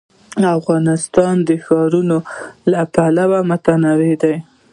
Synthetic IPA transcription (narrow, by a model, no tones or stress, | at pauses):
afɣɑnɪst̪ɑnd̪əxɑɾunolapalawamʊt̪anawed̪aj